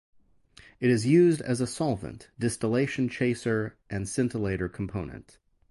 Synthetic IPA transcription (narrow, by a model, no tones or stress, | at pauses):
ɨɾɨzjʉzdɨzəsɑlˠvə̰̃nd̥ɪstəleɪʃn̩t͡ʃʰeɪsə˞ʔɨ̃nsɪ̃ntʰəleɪɾə˞kʰm̩pʰõʊ̃nɨ̰̃nt